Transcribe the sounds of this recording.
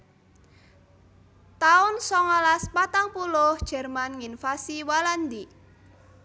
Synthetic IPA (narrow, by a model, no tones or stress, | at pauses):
t̪aʊnsɔŋɔlaspat̪aŋpulʊhd̥ʒ̥ɛ̤rmanŋinfasiwaland̪i